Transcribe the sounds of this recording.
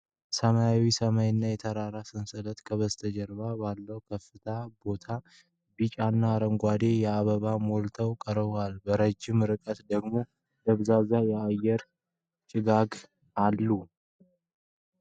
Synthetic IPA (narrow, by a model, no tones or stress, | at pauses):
səmajawisəmajɪnːajɛt̪ʰəɾaɾasɨnsɨlət̪kʰəβəst̪ʰəd͡ʒɛɾβabalːəwkʰəfːɨt̪ʰabo̞t̪ʰa | bit͡ʃʼanːaɾəŋɡʷad̪e̞jɛaβəβamolt̪ʰəwkʼəɾβalbəɾəd͡ʒːɪmɾɨkʼət̪d̪əɡmo̞ | ləβzazajɛajɛɾ | t͡ʃʼɪɡaɡ | alːu